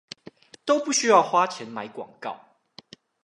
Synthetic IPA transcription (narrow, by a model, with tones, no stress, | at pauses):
t̪o˥˦ʊpu˥˨ɕy˦jɑ˥˨ʊxwa˦t͡ɕʰjɛ˨˦nma˨˦ɪkwɑ̰˨˩ŋkɑ̰˥˨ʊ